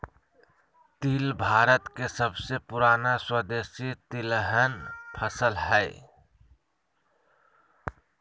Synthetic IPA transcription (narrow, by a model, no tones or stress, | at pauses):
t̪ilbʱaːɾət̪kesəbsepʊɾaːnaswəd̪esit̪ɪlɦənpʰəsəlɦɛɪ